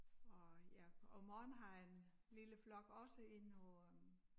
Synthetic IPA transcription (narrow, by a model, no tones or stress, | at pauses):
ɒjæɒmɒːnɦɑ̈en | liləflɒ̽ɡ̥ɒ̽səe̝nɒ̽